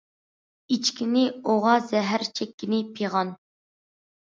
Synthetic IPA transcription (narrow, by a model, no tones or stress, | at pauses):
it͡ʃkʲʰinɪoʁɑzɛɦæɾt͡ʃʰɛkʲːinɪpʰiʁɑn